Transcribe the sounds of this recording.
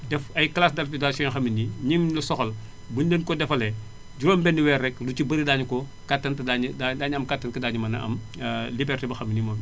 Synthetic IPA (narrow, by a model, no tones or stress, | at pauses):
dɛfɐjklaːsdɐɾtidasɔnxɐminiɲimlɐsɔxɐl | buɲdɐnkɔdɛfɐlɛ | ɟuɾɔːmbɛndiwɛrɛklut͡ʃibɐɾidaːɲukɔ | katːɐntɐdaɲdadaːɲɐmkatːɐnkɐdaːɲumɐnɐʔɐ̰m | libɛrtibɐxɐmːinimɐm